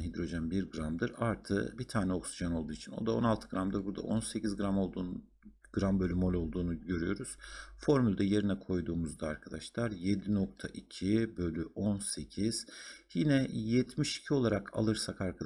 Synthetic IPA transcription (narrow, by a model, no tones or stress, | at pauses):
ɦid̪ɾo̞ʒænbiɾɡɾamd̪ɯɾaɾt̪ʰɯ̰bit̪ʰaːnɛoksiʒono̞lˠd̪uːit͡ʃʰino̞̰d̪ao̞̰nalˠt̪ʰɯɡɾamd̪ɯɾbuɾd̪a̰ʔo̞nse̞cʰizɡɾamolˠd̪ | ɡ̥ɾambølʲymo̞lʲo̞lˠd̪uːnuɟø̞ɾyjo̞ɾuz̥fo̞ɾmylʲd̪ɛje̞ɾinɛkʰo̞jd̪uːmuzd̪aaɾkʰad̪aʃlˠaɾjed̪inok̚t̪ʰa̰ʔicʰibølʲyʔonse̞cʰiz̥jinɛjɛt̪ʰmiʃi̥cʰio̞lˠaɾakʰa̰lˠɯɾsakaɾkʰad̪